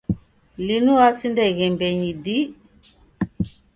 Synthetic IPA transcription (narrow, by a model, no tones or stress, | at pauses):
linuasindɛɣɛmbɛɲidi